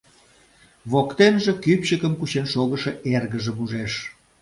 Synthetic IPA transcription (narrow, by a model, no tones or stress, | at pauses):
βokt̪enʒĕkypɕəkəmkuɕenʃoɣəʃeʔerɣəʒəmuʒeʃ